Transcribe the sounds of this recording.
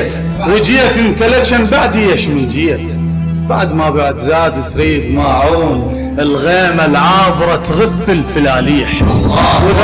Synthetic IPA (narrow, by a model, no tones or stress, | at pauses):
wɪd͡ʒijak̪ɪnkalat͡ʃanbaʕd̪ijaʃmɪnd͡ʒiːat | baʕd̪mabaʕd̪zaːd̪it̪ɾiːd̪maːʕuːn | ʔɪlɣeːmalʕaːvɾˤɑt̪ɣaθːəlfəlaːliːħw